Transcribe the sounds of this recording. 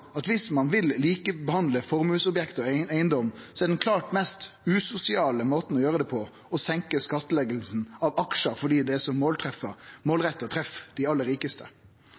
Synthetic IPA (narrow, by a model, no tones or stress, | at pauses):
ɑt̪ʋɪsmɑnʋɪlliːkəbəhɑnd̪ləfɔɾmʉːsʊbjɛkt̪ɔæɪənd̪ɔmsɔɛɾɖ̪ɛnkʰlɑːʈmɛst̪ʉːsʊsɪɑːləmoːt̪n̩ɔjøːɾəd̪ɛpʰɔ | ɔsɛŋkəskɑt̪ːəlɛɡəlsn̩ɑʋɑkʂəfɔɖiːd̪ɛæsɔmːoːlt̪ʰɾɛfəmoːlʁɛt̪ːət̪ʰɾɛfd̪̥ɪɑlːəɾiːkəst̪ʰə̰